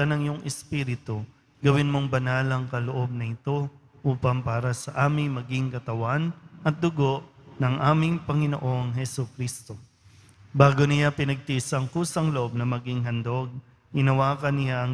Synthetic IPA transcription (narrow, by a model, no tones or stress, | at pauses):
ɐnɐŋjʊŋʔɛspiːɾɪt̪o | ɡɐwɪnmo̞ŋbɐnaːlɐŋkɐloʔo̞b̚nɐɪt̪o̞ | ʔuːpɐmpaːɾɐsɐʔaːmɪŋmɐɡɪŋkɐt̪ɐwanʔɐt̪̚d̪ʊɡo̞ʔnɐŋʔaːmɪŋpɐŋɪno̰ʔo̞ŋɦɛsʊkɾist̪o̞ | baːɡonɪjapɪnɐɡ̚t̪isɐŋkuːsɐŋloʔo̞b̚nɐmɐɡɪŋɦɐnd̪o̞ɡ̚ | ʔɪnɐwaːkɐnɪjaʔɐŋ